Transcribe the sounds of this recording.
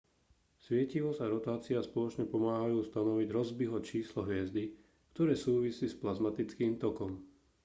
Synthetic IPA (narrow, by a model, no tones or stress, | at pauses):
sʋɪɛciʋɔzaɾɔt̪aːt͡siaspɔlɔt͡ʃɲɛpɔmaːɦajuːst̪anɔʋiɟɾɔzbiɦɔt͡ʃiːslɔɦʋɪɛzd̪i | kt̪ɔɾɛːsuːʋisiːsplazmat̪it͡skiːmt̪ɔkɔm